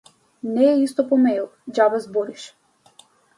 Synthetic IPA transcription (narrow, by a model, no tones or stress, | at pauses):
nɛːist̪ɔpɔmɛlˠd͡ʒabazbɔɾiʃ